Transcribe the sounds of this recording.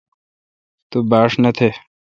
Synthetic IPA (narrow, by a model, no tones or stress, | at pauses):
t̪ubaːʂnɐt̪ʰe